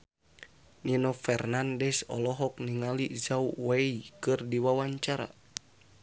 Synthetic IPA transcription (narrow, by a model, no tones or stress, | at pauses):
ninɔfɛrnandɛsɔ̰lɔɦɔk̚niŋalizauweikɨrdiwawaɲt͡ʃaɾa̰